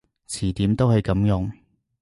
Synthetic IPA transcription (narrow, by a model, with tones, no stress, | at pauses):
t͡sʰiː˨˩t̪iː˨˥mt̪o˥whɵ˨˧jkɐ˨˧˥mjʊ˨˧˥ŋ